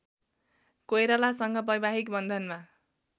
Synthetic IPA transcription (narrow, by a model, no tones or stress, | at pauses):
kojɾʌlasʌŋɡʌpʌjbaɦikbʌnd̪ʱʌnma